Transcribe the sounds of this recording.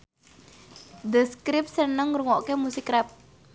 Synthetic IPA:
d̪əskɾɪp̚sənəŋɾuŋɔʔkemusikɾɛp̚

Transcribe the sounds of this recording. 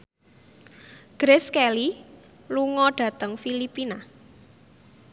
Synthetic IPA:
ɡ̥ɾɪskɛli | luŋɔɖ̥ä̤t̪əŋfilipina

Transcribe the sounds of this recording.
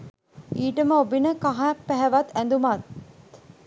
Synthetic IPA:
iːʈəməobinəkaɦapːæɦɛʋɐt̪ːænd̪umɐt̪

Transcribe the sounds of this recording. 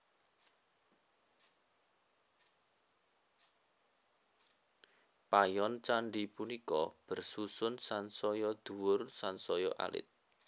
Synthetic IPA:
pajɔnt͡ʃaɳɖipunikɔ̰b̥ə̤rsusʊnsansɔjɔd̪̥uwʊrsansɔjɔʔa̰lɪ̰t̪̚

